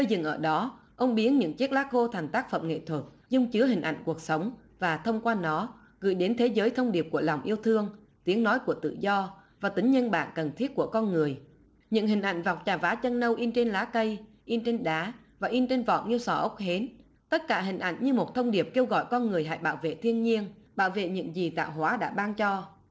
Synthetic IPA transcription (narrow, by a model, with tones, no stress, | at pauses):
əː˧jzɨ̰˧˩ŋʔəː˧˩ɗɔ˨˦ | ʔə˧wŋ͡mɓi˨˦ənɲɨ̰˧˥ŋt͡ɕe˦˥t̚laː˦˥t̚xo˧t̪ʰa˨˩ŋ̟t̪aː˦˥k̚fə̰˧˨mŋ͡mŋḛ˧˨t̪ʰwə˨˩t̚ | zʊ˧ŋ͡mt͡ɕɨ˨˦ɦï˨˩ŋ̟ʔa̰˧˨jŋ̟ku˨˩ək̚sə˨˦wŋ͡m | vaː˨˩t̪ʰə˧wŋ͡mkwaː˧nɔ˨˦ | ɣɨ̰˧˩jɗe˨˦nt̪ʰe˨˦zəː˨˦jt̪ʰə˧wŋ͡mɗi˨˩əp̚ku˧˩əla˨˩wŋ͡mʔi˧əwt̪ʰɨ˧əŋ | t̪i˨˦əŋnɔ˨˦jku˧˩ət̪ɨ̰˧˨zɔ˧vaː˨˩t̪ï˨˦ŋ̟ɲə˧nɓa̰ː˧˨nkə˨˩nt̪ʰi˦˥ət̚ku˧˩əkɔ˧nŋɨ˨˩əj | ɲɨ̰˧˥ŋɦï˨˩ŋ̟ʔa̰˧˩jŋ̟va˨˩wk͡p̚t͡ɕaː˨˩vaː˨˦t͡ɕə˧nnə˧wʔi˧nt͡ɕe˧nlaː˨˦kə˧j | ʔi˧nt͡ɕe˧nɗaː˨˦ | vaː˨˩ʔi˧nt͡ɕe˧nvɔ̰˧˨nŋi˧əwsɔ˧˩ʔə˦˥k͡p̚he˨˦n | t̪ə˦˥t̚kaː˧˩ɦï˨˩ŋ̟ʔa̰˧˩˨jŋɲɨ˧mo˨˩t̚t̪ʰə˧wŋ͡mɗi˨˩əp̚ke˧wɣɔ̰˧˨jkɔ˧nŋɨ˨˩əjɦa̰ː˧˨jɓa̰ː˧˨wvḛ˧˨t̪ʰi˧ənɲi˧ənɓa̰ː˧˨wvḛ˧˨ɲɨ̰˧˥ŋzi˨˩t̪a̰ː˧˨wɦwaː˨˦ɗa̰ː˧˥ɓaː˧ŋt͡ɕɔ˧